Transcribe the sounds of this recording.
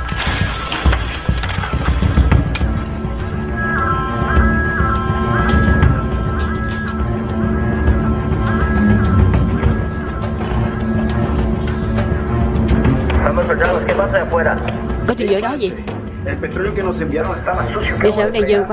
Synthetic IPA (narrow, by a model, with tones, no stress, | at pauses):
st̪amoso˨t͡ʃaðo˨skepasaafwe˦ɾa | kɔ˦t̪ʰi˨˩zəː˨˦jɗɔ˨˦zi˨ | e˨lpe˨t̪ɾo˦ljo˧ke˨no˨se˨mbi˨a˦ɾo˦ŋest̪a˦masu˦sjoe˨saː˨˦ɗe˨˩zə˨ŋkwa